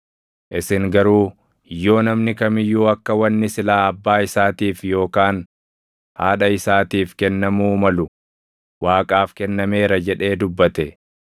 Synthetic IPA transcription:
ʔɪsɪŋɡɐɾuː | jːo̞ːnɐmnɪkɐmɪjːuːɐkːɐwɐnːɪsɪlaːɐbːaːɪsaːt̪iːfjo̞ːkaːn | haːᶑɐɪsaːt̪iːfkɛnːɐmuːmɐlʊ | waːkʼaːfkɛnːɐme̞ːɾɐd͡ʒɛᶑe̞ːd̪ʊbːɐt̪ɛ

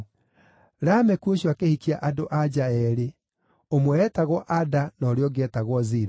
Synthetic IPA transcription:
ɾamɛkuoɕwakehikiaʔadoʔad͡ʑaɛɾe | omwɛːtaɣwɔʔadanɔɾeɔɡɛtaɣwɔziɾa

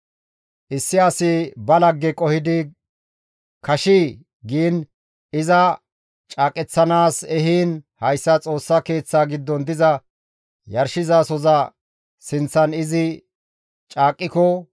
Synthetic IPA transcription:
ʔɪsːɪɐsɪbɐlɐɡːɛkʼɔhɪd̪ɪ | kɐʃiː | ɡiːn | ɪzɐ | t͡ʃʼaːkʼɛt͡sːɐnaːsɛɦiːnhɐjsːɐt͡sʼo̞ːsːɐke̞ːt͡sːaːɡɪd̪ːɔnd̪ɪzɐ | jɐɾʃɪzaːsɔzɐ | sɪnt͡sːɐnɪzɪ | t͡ʃʼaːkʼːɪkɔ

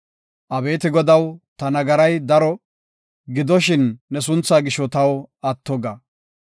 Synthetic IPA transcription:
ʔɐbe̞ːt̪ɪɡɔd̪ɐwt̪ɐnɐɡɐɾɐjd̪ɐɾɔ | ɡɪd̪ɔʃɪnːɛs̬ʊnt͡sːaːɡɪʃːɔt̪ɐwɐt̪ːɔɡɐ

